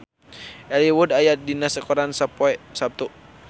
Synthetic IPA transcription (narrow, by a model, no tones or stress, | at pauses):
ɛliwudajadinasakɔɾansapsap̚t̪u